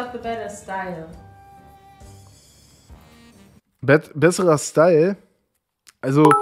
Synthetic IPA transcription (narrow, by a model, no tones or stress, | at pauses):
fðəbɛɾɐstaɪl | bɛbɛsəʁɐstaɪl | ʔalzo